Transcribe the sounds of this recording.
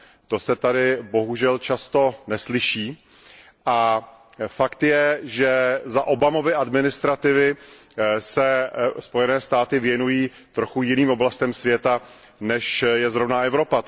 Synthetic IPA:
t̪o̞sɛt̪adɪbo̞ɦuʒɛlt͡ʃast̪o̞nɛslɪʃiː | ʔa | fakt̪jɛʒɛzaʔo̞bamo̞vɪʔadmɪnɪst̪ɾat̪ɪvɪ | sɛspo̞jɛnɛːst̪aːt̪ɪvjɛnujiː | t̪ɾo̞xujɪniːmoblast̪ɛmsvjɛt̪a | nɛʃjɛzɾovnaʔɛvɾo̞pa

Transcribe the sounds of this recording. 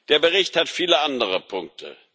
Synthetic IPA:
d̥eːɐbəʁ̞ɪçthatfiːləʔandəʁəpʰʊŋk̚tʰə̰

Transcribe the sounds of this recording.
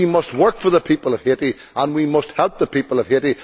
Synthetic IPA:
imʌst̚wɜ˞kfə˞ðəpʰipəlˠʌv̥heɾi | ə̃nwimʌst̚hɛlˠp̚ðəpʰipəlˠʌv̥heɾi

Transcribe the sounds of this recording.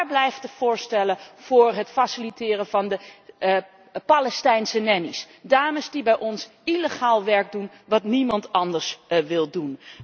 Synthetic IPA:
ɹblɛjftəv̥ʊːɹstɛləv̥ʊːɹɦətfasilitɪːrəvɑndə | palɛstɛjnsənɛnis | daːməsdibɛjʔɔns | iləχaːlˠʋɛɹɡ̚dun | ʋɑtnimɑntɑndəɹsʋɪlˠdun

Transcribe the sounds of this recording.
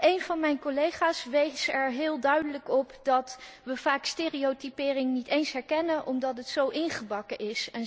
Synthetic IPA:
ʔejnv̥ɑnmɛjnkolejχaːsʋejsɛɹɦɪːlˠdœɥdələkɔpdɑtʋəv̥aːksteːriotipɪːrɪŋnitejnsɦɛɹkɛnəʔɔmdɑtɦətsowʔɪnχəbɑkəʔɪsɛn

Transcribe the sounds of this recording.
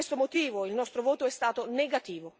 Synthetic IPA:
est̪omot̪iːvoilnɔst̪ɾovoːt̪oɛst̪aːt̪oneɡat̪iːvo

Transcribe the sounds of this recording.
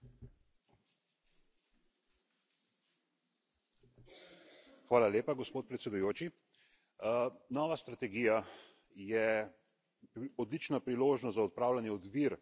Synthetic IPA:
xʋaːlaleːpaɡɔspoːt̪̚pɾɛt̪sɛd̪ujoːt͡ʃi | nɔʋast̪ɾat̪ɛɡiːja | jɛ | ɔd̪lit͡ʃnapɾiloːʒnɔst̪zaɔt̪̚pɾaːwlanjɛɔd̪ʋiɾ

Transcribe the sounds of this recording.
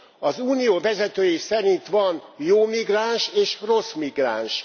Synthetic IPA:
ɒzuːnijoːvɛzɛt̪øːjisɛɾint̪ʋɒnjoːmiɡraːnʃeːʃro̞smiɡra̰ːnʃ

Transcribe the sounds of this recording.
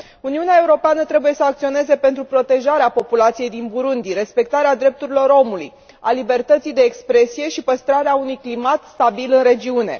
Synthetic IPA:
uniuneae̞uɾo̞peanət̪ɾe̞buje̞səak̚t̪sio̞ne̞ze̞pe̞nt̪ɾupɾo̞t̪e̞ʒaɾeapo̞pulat̪sije̞jd̪inbuɾund̪iɾe̞spe̞k̚t̪aɾead̪ɾe̞p̚t̪uɾilo̞ɾo̞muluj | alibe̞rt̪ət̪sijd̪e̞ːkspɾe̞sije̞ʃipəst̪ɾaɾeaunujklimat̪st̪abilɨnɾe̞d͡ʒiune̞̰

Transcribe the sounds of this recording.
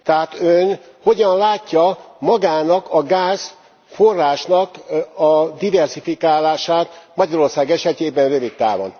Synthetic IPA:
t̪ɛɦaːt̪øn | ho̞ɟɒnlaːcːɒmɒɡaːnɒkɒɡaːz | forːaːʃnɒkɒd̪ivɛrsifikaːlaːʃaːt̪mɒɟɒɾo̞rsaːɡɛʃɛt̪eːbɛnrøvik̪t̪a̰ːvo̰n

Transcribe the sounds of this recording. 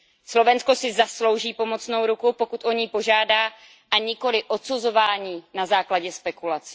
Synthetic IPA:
slo̞vɛnsko̞sɪzaslo̞wʒiːpo̞mo̞t͡sno̞wɾukupo̞kut̪ʔo̞ɲiːpo̞ʒaːdaː | ʔaɲɪko̞lɪʔo̞t̪suzo̞vaːɲiːnazaːklaɟɛspɛkulat͡si̥

